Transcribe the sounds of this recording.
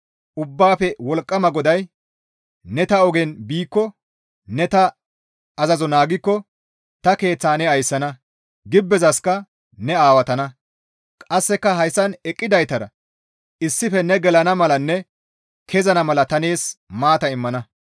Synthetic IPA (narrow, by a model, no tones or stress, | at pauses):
ʔʊbːaːfɛwɔlkʼːɐmɐɡɔd̪ɐj | nɛt̪ɐɔɡenbiːkːɔ | nɛt̪ɐː | zɐzɔnaːɡɪkːɔ | t̪ɐke̞ːt͡sːaːnɛɐjsːɐnɐ | ɡɪbːɛzɐskɐ | nɛaːwɐt̪ɐnɐ | kʼɐsːɛkːɐɦɐjsːɐnɛkʼːɪd̪ɐjt̪ɐɾɐ̰ | ɪsːɪfɛnɛɡɛlɐnɐmɐlɐnːɛ | kʰɛzɐnɐmɐlɐt̪ɐneːsmaːt̪ɐɪmːɐnɐ